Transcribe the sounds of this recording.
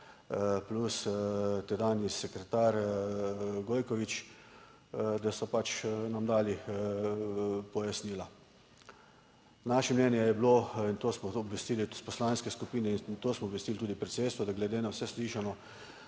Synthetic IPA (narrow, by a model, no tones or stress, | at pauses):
plust̪ɛd̪anjisɛkɾɛt̪aɾ | ɡoːjkɔʋit͡ʃ | d̪asɔpat͡ʃnamd̪aːli | pɔjasniːla | naʃɛmnɛnjɛjɛbloint̪oːsmɔɔbʋɛst̪iːlispɔslanskɛskupiːnɛint̪oːsmɔːbʋɛst̪ilt̪uːd̪ipɾɛt̪seːt̪st̪ʋɔd̪aɡlɛd̪eːnawsɛsliʃanɔ